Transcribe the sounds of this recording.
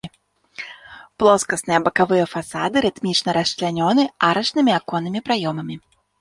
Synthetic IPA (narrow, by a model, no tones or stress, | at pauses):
plˠɔskɐsnɨjɐbɐkavɨjɐfasad̪ɨɾɨt̪mʲit͡ʂnɐɾɐst͡ʃlʲanʲɔnɨʔaɾɐʂnɨmʲiakɔnːɨmʲipɾajɔmɐmʲi